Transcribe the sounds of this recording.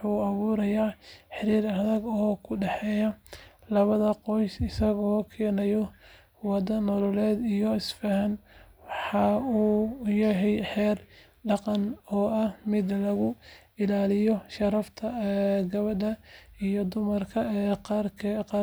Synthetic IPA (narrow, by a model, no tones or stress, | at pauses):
wħuːɐβuːɾɐjaːħɪɾiːɾɐðɐɡɔːkʰʊɖɛħɛːjɐlɐβɐðɐqɔjsɪsɐɣɔːkʰɛːnɛjɔ | wɑd̪ɐnɔlɔlɛːd̪ijɔɪsfɐɦɐnwɑħɑuːjɐɦɛjħɛːr | ɖɑqɑnɔːɐhmɪd̪lɐɣʊ | ɪlaːlɪjɔʃɐɾɐft̪ʰɐɡɐβɐdɐijɔd̪ʊmɐrkʰɐkʰqː